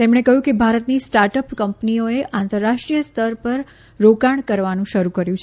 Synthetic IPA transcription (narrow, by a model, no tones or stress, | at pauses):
t̪emɳ̃ekəɦjũkebʱaɾət̪nisʈaɾʈəpkəmpnioeʔãnt̪əɾːaʂʈɾijəst̪ʰəɾpəɾ | ɾokaɳkəɾʋanũʃəɾukəɾjũt͡ʃʰ